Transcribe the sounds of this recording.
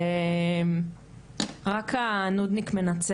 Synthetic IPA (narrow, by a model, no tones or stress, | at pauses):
m | ʁakanud̪nikme̞nat͡s